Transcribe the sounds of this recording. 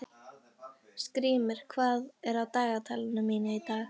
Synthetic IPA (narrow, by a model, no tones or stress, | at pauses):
skɾiːmɪɾ̥kʰvaːðɛɾawt̪aːɣat̪ʰalɪnʏmiːnɪit̪aːx